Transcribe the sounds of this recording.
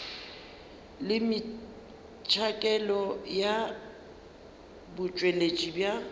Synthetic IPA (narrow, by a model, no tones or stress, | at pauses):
lɪmɪ | t͡ʃʰakʼɛlɔja | bʊt͡ʃʼwelet͡ʃʼibja